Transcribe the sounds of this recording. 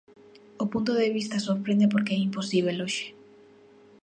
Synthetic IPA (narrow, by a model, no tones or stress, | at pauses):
opunt̪oðeβist̪asoɾpɾẽnd̪ep̬oɾkeɛimposiβeloʃe̥